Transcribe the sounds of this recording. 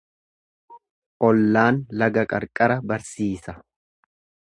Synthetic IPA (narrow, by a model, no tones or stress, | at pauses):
ʔɔlːaːnlɐɡɐkʼɐɾkʼɐɾɐbɐɾsiːsɐ